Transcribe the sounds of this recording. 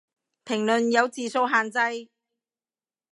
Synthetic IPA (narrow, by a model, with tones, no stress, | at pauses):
pʰɪ˨˩ŋlɵ˨njɐ˨˧wt͡siː˨so˧wɦaː˨nt͡sɐ˧j